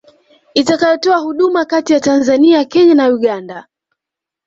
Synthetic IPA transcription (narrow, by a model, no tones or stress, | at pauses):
itakajɔtɔahuɗumakatijatanzaniakɛɲanauɠanda